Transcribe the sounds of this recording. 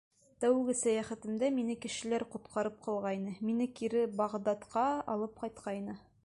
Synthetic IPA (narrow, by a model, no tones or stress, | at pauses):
t̪æwɡɘsæjæχæt̪ɘ̆md̪æminɘkɘ̆ʃɘ̆læɾqŭt̪qʰɑɾɤp̚qɑlˠʁɑjnɤminɘkiɾɘbɑʁd̪ɑt̪qɑɑ̰lˠɤp̚qɑjt̪qɑjnɤ